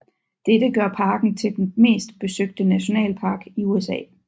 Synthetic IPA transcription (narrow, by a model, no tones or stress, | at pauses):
d̥ed̥əɡ̥ɶɐpʰɑ̈ːɡ̥n̩t͡sʰe̝ld̥enme̝̰ːsd̥b̥e̝søɡ̥̚d̥ənæɕo̝nɛ̰ːlpʰɑ̈ːɡ̥iuesɛ̰ː